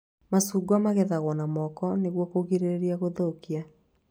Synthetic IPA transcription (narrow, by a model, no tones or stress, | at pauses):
masuːɡwamaɣɛðaɣwɔnamɔkɔneɣwɔkoɣiɾeɾeɾiaɣoðoːkia